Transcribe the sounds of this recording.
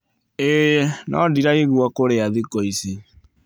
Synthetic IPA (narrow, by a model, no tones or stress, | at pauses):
enʔɔ̰diɾaeɣuakoɾeaðikoisi